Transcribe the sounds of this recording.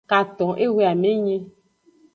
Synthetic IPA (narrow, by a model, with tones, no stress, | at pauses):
ka˨t̪ɔ̃˨ʔe˦we˦a˨me˦ɲe˦